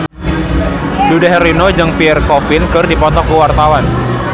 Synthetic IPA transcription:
dudaɦrinod͡ʒɨŋpiɛrkɔfɪnkərdipɔt̪ɔkuwart̪awan

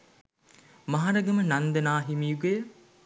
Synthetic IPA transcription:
maɦaɾɐɡəmənand̪ɐnaːɦimijuɡejə

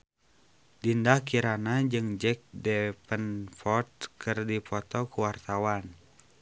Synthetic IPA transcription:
dindakiɾanad͡ʒɨŋd͡ʒɛk̚dɛpənfɔrt̪̚kʰɨrdipɔt̪ɔkuwart̪awan

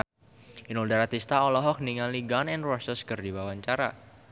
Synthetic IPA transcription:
inuldaɾat̪ist̪aɔlɔɦɔk̚niŋaliɡanɛnrɔsəskɨrdibawaɲt͡ʃaɾa̰

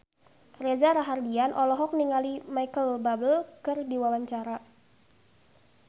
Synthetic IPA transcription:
rezaɾaɦardianʔɔlɔɦɔk̚niŋalimaikəlbabəlkɨrdiwawaɲt͡ʃaɾa

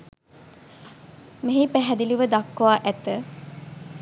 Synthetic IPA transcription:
meɦipæɦɛd̪iliʋəd̪akːoʋaːʔæt̪ə

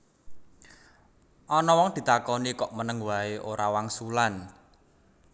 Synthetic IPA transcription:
ʔɔnɔwɔŋd̪̥i̤t̪akɔnikɔʔmənəŋwaeʔoɾawaŋsulan

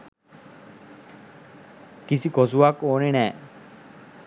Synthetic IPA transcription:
kisikɔsuakoːnenɛː

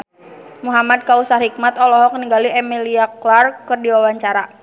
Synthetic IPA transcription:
muɦamad̚kausaɦik̚mat̪ɔlɔɦɔkniɡaliɛmiliaklarkɨrdiwawaɲt͡ʃaɾa

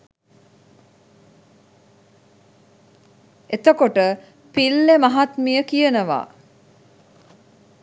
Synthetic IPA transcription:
et̪əkoʈə | pilːemaɦat̪mijəkijənəʋa̰ː

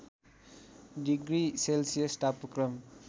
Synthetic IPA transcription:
diɡɾiselsijəstapːukɾʌm

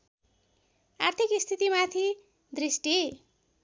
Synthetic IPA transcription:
art̪ʰikist̪ʰit̪imat̪ʰi | d̪risʈi

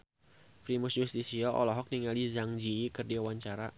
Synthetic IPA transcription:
fɾimʊsjust̪isiɔʔɔ̰lɔɦɔk̚niŋalizaŋd͡ʒikɨrdiawaɲt͡ʃaɾa

